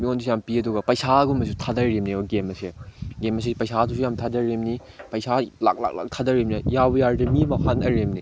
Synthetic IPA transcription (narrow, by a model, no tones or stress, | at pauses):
miondisjampiɐduɡɐpɐjsaɡumɐs̬utʰadɐɾemnioɡemɐseɡemɐs̬epɐjsatʰusijamtʰadɐɾemni | pɐjsala̰k̚la̰k̚la̰k̚tʰadɐɾimnijabɐjaɾdemimɐhanɐɾemni